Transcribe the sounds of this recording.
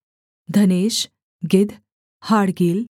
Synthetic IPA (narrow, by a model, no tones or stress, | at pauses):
d̪ʱəneːɕ | ɡɪd̪ʱ | haɽɡiːl